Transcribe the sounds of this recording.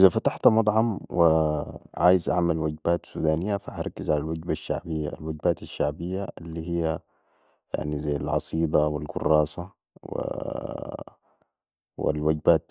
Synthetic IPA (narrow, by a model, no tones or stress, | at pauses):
ʔɪzafat̪aħt̪amɑd̪ˤʕɑmwiʕa̰ːjizʔa̰ʕmalwaɡbaːt̪suːd̪aːnɪjːafahaɾˤɑkːizʕalalwaɡbaʃːa̰ʕbɪjːa̰lwaɡbaːt̪aʃːaʕbijːalːiɦijːa | ja̰ʕnizajalʕɑ̰sˤiːd̪ˤɑwilɡʊ̰rˤːɑːsa | wḭ | wḭlwad͡ʒbaːt̪